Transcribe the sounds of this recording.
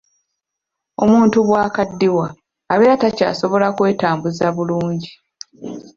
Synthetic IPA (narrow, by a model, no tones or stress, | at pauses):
o̞muːntuβwaːkadːiwaː | βeːɾataca̰ːso̞βo̞lakwe̞ːtaːmbuzaβuluːɲɟi